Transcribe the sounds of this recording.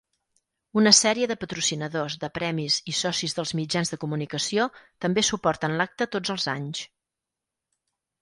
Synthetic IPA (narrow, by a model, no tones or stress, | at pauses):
unəsɛɾiəðəpət̪ɾusinəðozðəpɾɛmizisɔsizðəlˠzmid͡ʒanzðəkumunikəsiot̪əmbesupɔrt̪ənlak̚t̪ət̪od͡zəlˠza̰ɲs